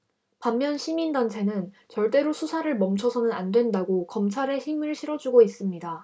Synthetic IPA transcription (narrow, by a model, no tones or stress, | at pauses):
pamːjʌnɕʰimindant͡ɕʰe̞nɯn | t͡ɕʌɭt͈e̞ɾosʰusʰaɾɯɭmʌmt͡ɕʰʌsʰʌnɯnandwe̞ndaɡokʌmt͡ɕʰaɾe̞çimɯɭɕʰiɾʌd͡ʑuɡois͈ɯmɲida